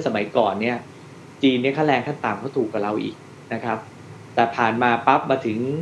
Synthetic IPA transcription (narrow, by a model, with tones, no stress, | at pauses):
sa˧ma˨˩˦jkɔː˨˩nːi˥˩ɐ | t͡ɕiː˧ni˥˩ɐkʰaː˥˩lɛː˧ŋkʰa˥˩nt̪aː˨˩mkʰaː˥˩wt̪ʰuː˨˩kːa˨˩ɾa˧wʔḭː˨˩k̚ | na˦˥kʰɾa˦˥p̚ | t̪ɛː˨˩pʰaː˨˩nmaː˧pa˦˥p̚maː˧t̪ʰɯ˩˦ŋ